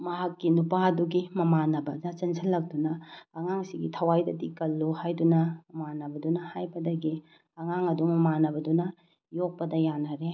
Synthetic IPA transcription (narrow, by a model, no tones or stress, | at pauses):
mɐɦɐkːinupaɐduɡimɐmanɐbɐd͡ʒat͡ʃɐnsʰɐlːɐk̚dunɐːŋaŋsiɡitʰɐwajdɐdikɐlːuhajdunɐmɐmanːɐbɐdunɐhajbɐdɐɡi | ɐŋaŋɐdumɐmanɐbɐdunɐ | jok̚pɐdɐjanːɐɾe